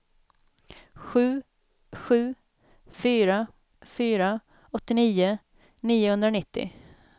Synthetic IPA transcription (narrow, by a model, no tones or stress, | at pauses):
ɧʉ̟ː | ɧʉ̟ː | fyːɾa | fyːɾa | ɔt̪ːɪniːʊ | niːʊhɵnd̪ɾanɪt̪ʰːɪ̰